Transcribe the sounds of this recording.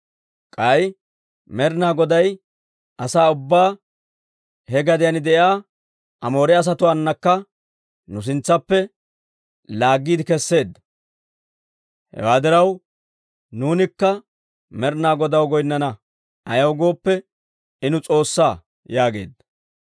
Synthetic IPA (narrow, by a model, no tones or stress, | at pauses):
kʼɐj | mɛɾnaːɡɔd̪ɐj | ʔɐsaːʊbːaː | hɛɡɐd̪ɪjɐnɪd̪ɛjaː | ʔɐmo̞ːɾɛɐs̬ɐt̪ʊwaɐnːɐkːɐ | nʊs̬ɪnt͡sːɐpːɛ | laːɡːiːd̪ɪkɛsːe̞ːd̪ːɐ | hɛ̰waːd̪ɪɾɐw | nuːnɪkːɐ | mɛɾnaːɡɔd̪ɐwɡɔjnːɐnɐ | ʔɐjɐwɡo̞ːpːɛ | ɪnʊt͡sʼo̞ːsːaː | jaːɡe̞̰ːd̪ːɐ